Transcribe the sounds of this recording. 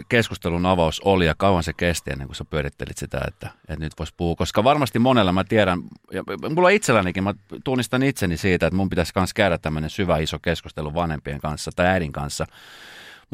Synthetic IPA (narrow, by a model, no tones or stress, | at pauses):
keskust̪elunɑʋɑusolijɑkɑuʋɑnsekest̪iḛnːḛŋkusæpyøɾit̪ːḛlḭt̪sit̪æ̰ḛt̪ːæet̪nyt̪ʋoispuhuːkoskɑʋɑrmɑst̪imonelːɑmæt̪iɛɾænjɑmulːoit̪selːænekimmæt̪unːist̪ɑnit̪senisiːt̪æet̪mumpit̪æskɑnskæyɾæt̪t̪æmːønensyʋæisokeskust̪eluʋɑnhempiḛŋkɑnsːɑt̪ɑiæːɾiŋkɑnsːɑ | m